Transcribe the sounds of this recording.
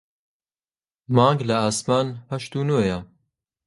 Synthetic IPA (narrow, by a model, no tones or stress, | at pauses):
maːŋɡlɐaːsmaːnhɐʃt̪uːnojɐ